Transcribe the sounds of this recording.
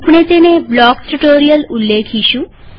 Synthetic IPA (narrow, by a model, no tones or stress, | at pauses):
pɽ̃et̪eneblɔkʈuʈoɾijəlulːekʰiʃũ